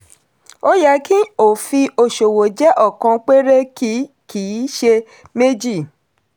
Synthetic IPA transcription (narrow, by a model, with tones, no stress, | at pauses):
o˦ja˧ki˦o˨fi˧o˧ʃo˨wo˨d͡ʒɛ˦ʔɔ˦˨kã˧k͡pe˦ɾe˦ki˦ | ki˨˦ʃe˧ | me˦d͡ʒi˦˨